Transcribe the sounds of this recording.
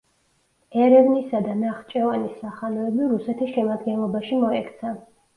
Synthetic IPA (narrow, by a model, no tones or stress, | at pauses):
ɛɾɛvnisad̪anaχt͡ʃʼɛvanisːaχanɔɛbiɾusɛt̪ʰisʃɛmad̪ɡɛnlˠɔbaʃimɔɛkʰt̪sʰa